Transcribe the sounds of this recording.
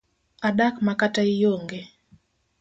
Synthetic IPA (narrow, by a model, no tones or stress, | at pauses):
aɗakmakataɪjoŋɡe